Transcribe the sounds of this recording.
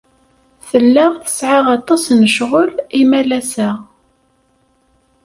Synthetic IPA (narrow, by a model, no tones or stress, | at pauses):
θəlːaʁθə̥sʕaʁɑt̪ˤːɑsnəʃʁʊlimælæsə